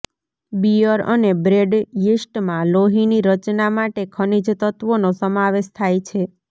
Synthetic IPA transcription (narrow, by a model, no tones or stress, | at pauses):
biəɾə̰nebɾeɖjisʈmãloɦiniɾət͡ʃnamaʈekʰənid͡ʒt̪ət̪ʋonosəmaʋeʃt̪ʰajt͡ʃʰe